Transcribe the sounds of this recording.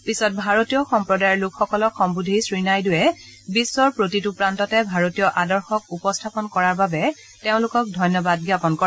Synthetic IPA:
pisɔt̚bʱaɹotijɔxɔmpɹɔdajɔɹlʊkʰxɔkɔlɔkʰxɔmbudʱisɹinajdʊjɛ | bisːɔɹpɹotitupɹantɔtɛbʱaɹotijɔʔadɔɹxɔkupɔstʰapɔnkɔɹaɹbabɛ | teʊ̃lʊkɔk̚dʱɔjnɔbad̚ɡjapɔnkɔɹɛ

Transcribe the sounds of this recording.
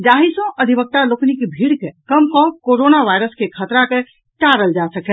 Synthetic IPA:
d͡ʒaɦisə̃ʔəd̪ʱibək̚t̪aloknikebʱiɽkekəmkɔ̃koɾonaʋajɾəskekʰət̪ɾake | ʈaɾəld͡ʒasəkɛ

